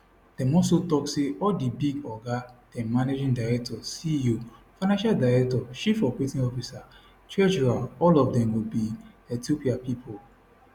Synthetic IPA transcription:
d̥ɛ̃mɔsotɔkseʔɔldibiɡɔɡad̥ɛ̃mmːaned͡ʒĩndaɹɛk̚tʰɔsijofaɪnãʃaldaɪɹɛk̚tɔʃifɔpetĩnɔfisa | tɹɛd͡ʒuɹalɔlɔfdɛ̃mwubi | ɛtiopiapipʰol

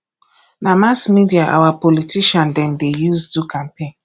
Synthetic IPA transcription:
namasmidiaʔa̰wapɔlitiʃandɛndejuzdukʰam̩pẽn

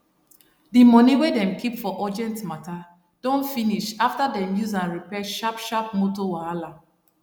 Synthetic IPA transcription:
dimɔniwedɛ̃mkʰipfɔʔɔd͡ʒɛ̃ntmata | d̥õntfiniʃaftadɛ̃mjuzãnɹipɛʃapʃap̚motowaalã

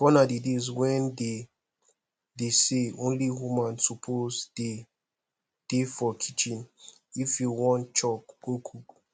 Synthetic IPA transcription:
kɔnadedezwɛ̃nde | deseõnlihumãnsupʰozd̥e | d̥efɔkʰit͡ʃĩn | ifjuwɔ̃nt͡ʃɔk̚b̥ukʰuɡ

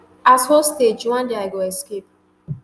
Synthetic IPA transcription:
ashosted͡ʒwãndeaɪɡoɛskep̚

